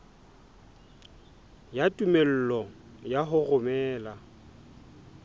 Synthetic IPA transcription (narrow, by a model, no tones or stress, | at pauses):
jatʼumel̩lɔjaɦʊɣʊmɛːla